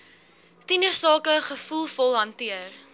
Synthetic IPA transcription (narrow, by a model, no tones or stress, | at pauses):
tinəsɑːkəχəfulˠfɔlˠɦɐntiər